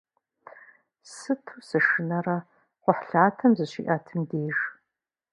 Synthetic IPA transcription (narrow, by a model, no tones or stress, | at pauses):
sɨtʰusɨʂɨnɐrɐ | qʷʊħɬaːtʰɐmzɨɕḭːʔɐtʰɨmdeːʒ